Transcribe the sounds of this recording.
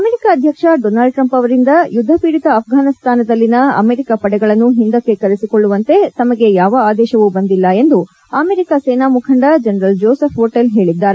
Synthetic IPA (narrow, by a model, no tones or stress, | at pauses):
ɐmeɾikaɐd̪ʱjɐkʂɐɖonaːlɖʈɾɐmpɐʋɐɾind̪ɐjud̪ʱːɐpiːɽit̪ɐːpʰɡaːnist̪ʰaːnɐd̪ɐlːinɐɐ̰meːɾikɐpɐɽɛɡɐɭɐnːuɦind̪ɐkːe̞kɐɾesikoɭːuʋɐnt̪e̞t̪ɐmɐɡe̞jaːʋɐaːd̪ɛːʃɐʋubɐnd̪ilːɐe̞nd̪u | ɐmeːɾikaseːnaːmukʰɐɳɖɐd͡ʒɐnɐɾɐld͡ʒoːsɐpʰɦoːʈelɦe̞ːɭid̪ːaːɾe